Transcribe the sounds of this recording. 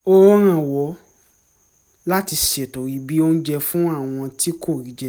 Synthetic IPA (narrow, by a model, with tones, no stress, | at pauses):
ɔ˦ɔ˦ɾ̃ã˦˨wɔ˨˦ | la˦ti˧ʃe˨to˨ɾi˨˦bi˦o˦n̩˦d͡ʒɛ˧fũ˦a˦˨w̃ɔ̃˧ti˦ko˦˨ɾi˨˦d͡ʒɛ˧